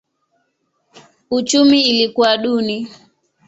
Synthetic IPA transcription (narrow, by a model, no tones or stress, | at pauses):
ut͡ʃumiːlikuaɗuni